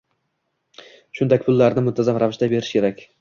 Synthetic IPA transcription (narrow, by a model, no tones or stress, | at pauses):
ʃʊnd̪akʲpʰʊlːaɾnɪmʊnt̪ʰazamɾavɪʃd̪abe̞ɾɪ̥ʃkʲe̞ɾakʲ